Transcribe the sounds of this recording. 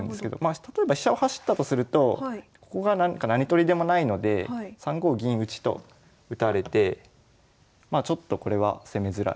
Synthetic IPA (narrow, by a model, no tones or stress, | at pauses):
ɯnd̪esɨked̪o̞̰mat̪at̪o̞e̞baɕi̥ɕao̞haɕi̥t̪ːat̪o̞sɨɾɯ̟t̪o̞koko̞ɡanakanaɲ̟it̪o̞ɾʲid̪e̞mo̞naino̞d̪e̞sãŋɡo̞ːɡʲĩɰ̃ɯ̟t͡ɕi̥t̪o̞̰ | ɯ̟t̪aɾe̞t̪e̞ | maːt͡ɕo̞t̪ːo̞ko̞ɾe̞β̞a̰se̞me̞zɨɾa̰